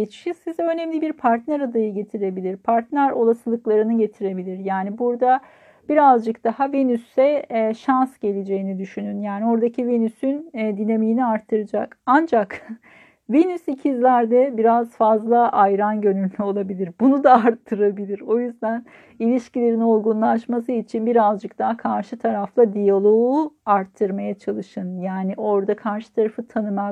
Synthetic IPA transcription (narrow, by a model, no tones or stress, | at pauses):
et͡ʃʰjisizɛø̞nɛmlʲibiɾpʰaɾt̪næɾad̪ajɯɟe̞t̪ʰiɾe̞bilʲiɾpʰaɾt̪nʲæɾo̞lˠasɯlˠɯklˠaɾɯnɯɟe̞t̪ʰiɾe̞bilʲiɾjaːnibuɾd̪a | b̥iɾazd͡ʒɯk̚d̪̥ahavenysːɛʃansɟ̥e̞lʲed͡ʒe̞jinid̪yʃynynjaːnio̞ɾd̪acʰivenysynd̪inemijːniaɾt̪ʰːɯɾɯd͡ʒakand͡ʒak | vinysicʰizlʲæɾd̪ɛbiɾazfazlˠaʔajɾanɟø̞nylʲːyo̞lˠabilʲiɾbunud̪aːaɾt̪ʰːɯɾabilʲiɾo̞jyzd̪æn | ilʲiʃcilʲe̞ɾino̞ɾɡunlˠaʃmas̬ɯit͡ʃʰinbiɾazd͡ʒɯk̚t̪ʰaːkʰaɾʃɯt̪ʰaɾaflˠad̪ijalˠo̞uaɾt̪ʰːɯɾmajat͡ʃʰalˠɯʃɯnjaːniʔo̞ɾd̪akʰaɾʃɯ̥t̪ʰaɾafɯt̪ʰanɯma